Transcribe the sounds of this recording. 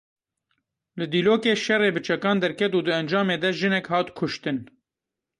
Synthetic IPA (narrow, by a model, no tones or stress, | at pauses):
lɨd̪iːloːkeːʃɛreːbɨt͡ʃʰɛkɑːnd̪ɛɾkʰɛt̪uːd̪ɨɛnd͡ʒɑːmeːd̪ɛʒɨnɛkhɑːt̪kʰʊʃt̪ɨn